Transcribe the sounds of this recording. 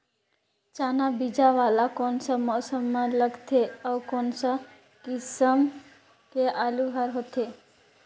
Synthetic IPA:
t͡ʃaːnabid͡ʒaʋalakonsamɔsəmːãləɡt̪ʰeawkɔnsa | kɪsəm | keʔaluɦaɾɦot̪ʰe

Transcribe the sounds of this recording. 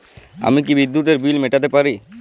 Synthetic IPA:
a̰mikibid̪ːut̪̬eɾbilmeʈat̪̬epaɾi

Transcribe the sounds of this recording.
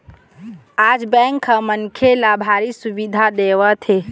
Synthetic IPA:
ad͡ʒbɛŋkʰə̃mənkʰelabʱaɾisubid̪ʱad̪eʋət̪ʰe

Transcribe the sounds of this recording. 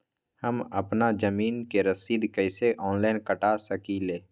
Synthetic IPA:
həməpnad͡ʒəmiːnkeɾəsiːd̪kɛɪseʔɔːnlaːɪnkəʈasəkileː

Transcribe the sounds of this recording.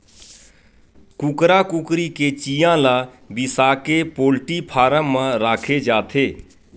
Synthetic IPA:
kʊkɾaːkʊkɾikeːt͡ʃiːjãːlaː | bɪsaːkepoːlʈipʰaːɾãːmãɾaːkʰeːd͡ʒaːt̪ʰeː

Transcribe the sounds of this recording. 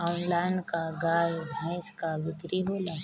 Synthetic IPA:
aːnlaːnkaɡaːjbʱɛ̃ːskaʋɪkɾiɦoːlaː

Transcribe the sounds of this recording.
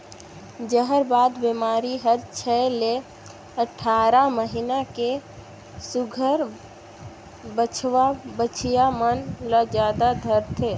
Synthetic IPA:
d͡ʒəɦəɾbad̪bemaɾiɦəɾt͡ʃʰəele | əʈʰaɾaməɦinake | suɡʱəɾ | bət͡ʃʰʋabət͡ʃʰijamənləd͡ʒad̪ad̪ʱəɾt̪ʰe

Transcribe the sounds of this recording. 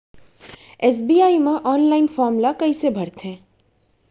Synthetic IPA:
ɛːs̬biːaːimẽʔɔːnlaːɪnfɔːɾmlakɐisebʱɐɾt̪ɦɛ̃ː

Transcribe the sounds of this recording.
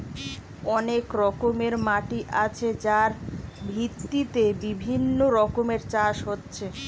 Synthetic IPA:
ɔnekɾɔkomeɾmaʈiʔat͡ɕʰed͡ʑaɾbʱit̪ːit̪ebibʱinːoɾɔkomeɾt͡ɕaʃɦotːɕʰe

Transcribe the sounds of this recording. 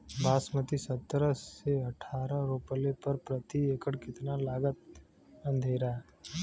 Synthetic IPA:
bʱaːsmət̪isət̪ːɾəseɐʈʰaːɾəɾoːpəlepəɾpɾət̪ieːkəɽkɪt̪nalaːɡət̪̚ | ɐ̃nd̪ʱeːɾaː

